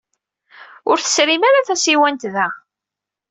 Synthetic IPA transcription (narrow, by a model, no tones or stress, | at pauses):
ʊɾθə̥sɾimaɾaθæsiwænt̪ðæ